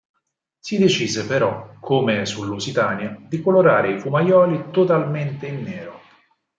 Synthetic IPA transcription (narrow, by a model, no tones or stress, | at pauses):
sid̪et͡ʃiːzepeɾɔkʰːomesulːusit̪aːnjad̪ikoloɾaːɾeifumajɔːlit̪ot̪alment̪einːeːɾo